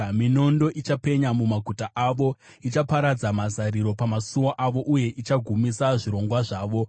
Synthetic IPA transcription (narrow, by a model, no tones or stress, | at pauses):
mino̞ndo̞ʔit͡ʃape̞ɲamumaɡʱutaʔaʋo̞ | it͡ʃapaɾad͡zamazaɾiɾo̞pamasumoʔaʋo̞ʔuje̞ʔit͡ʃaɡʱumisaʐiɾo̞ŋɡwaʐaːʋo̞